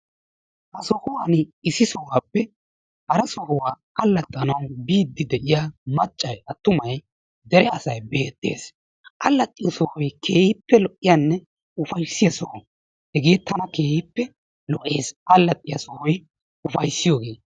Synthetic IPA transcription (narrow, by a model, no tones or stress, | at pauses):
hɐsɔhʊwanɪsɪsɔwaːpːɛ | hɐɾɐsɔhɔwaːkɐlːɐt̪ʼːɐnɐwbiːd̪ːɪd̪ɛʔɪjamɐt͡ʃʼːɐjɐt̪ːʊmɐj | d̪ɛɾɛɐsɐjbe̞ːt̪ʼːe̞̰ːs | ʔɐlːɐt̪ʼːɪjɔsɔhɔjkʰe̞ːhɪpːɛlɔʔɪjanːɛ | ʊfɐjsːɪjɐsɔhɔ | hɛɡeːt̪ʰːɐnɐke̞ːhɪpːɛ | lɔʔe̞ːsʔɐlːɐt̪ʼːɪjɐsɔhɔj | ʊfɐjsːɪjoːɡe̞ː